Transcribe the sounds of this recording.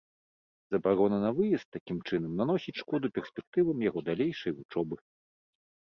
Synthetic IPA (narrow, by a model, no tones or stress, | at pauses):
z̥ɐbaɾɔnɐnɐvɨjɛst̪ːakʲimt͡ʂɨnɐmnanɔsʲit͡sʲʂkɔd̪upʲɛrsʲpʲɛk̚t̪ɨvɐmjaɣɔd̪alʲejʂɐjut͡ʂɔbɨ